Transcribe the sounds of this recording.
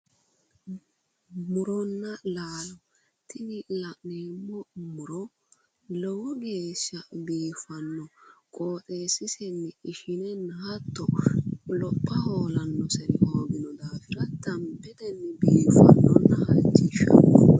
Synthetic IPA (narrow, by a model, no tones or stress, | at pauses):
mʊɾɔnːɐlaːlɔ | t̪ɪnɪlɐʔneːmːɔmʊɾɔ | lɔwɔɡe̞ːʃːɐbiːfɐnːɔkʼoːt̪ʼeːsɪsɛnːɛɪʃɪnɛnhɐt̪ːɔlɔpʼːɐho̞ːlɐnːɔsɛɾɪhoːɡɪnɔd̪aːfɪɾɐt̪ɐmbɛd̪ɛnːɛbiːfɐ̰nːɔnːɐhɐ̰t͡ʃːɪʃɐ̰nːɔ̰